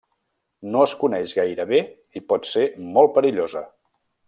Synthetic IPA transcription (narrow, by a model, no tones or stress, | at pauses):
noəskunɛʒɣajɾəβe | ipɔt̪semɔlˠpəɾiʎozə̰